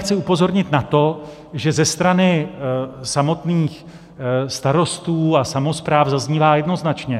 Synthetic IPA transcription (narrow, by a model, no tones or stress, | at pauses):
xt͡sɪupo̞zo̞ɾɲɪt̪nat̪o̞ | ʒɛzɛst̪ɾanɪ | samo̞t̪niːx | st̪aɾo̞st̪uːasamo̞spɾaːvzazɲiːvaːjɛdno̞znat͡ʃɲɛ